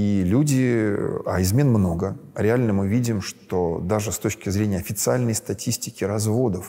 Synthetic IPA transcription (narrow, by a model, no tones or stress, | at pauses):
ilʲudʲɪa̰ɪzmʲe̞nmno̞ɡəɾʲɪalʲnəmɨvʲidʲɪmʂt̪od̪aʐɨst̪o̞t͡ɕkʲɪzɾʲenʲɪjəɐfʲɪt̪sɨalʲnəjst̪ɐtʲisʲtʲɪkʲɪɾɐzvo̞d̪əf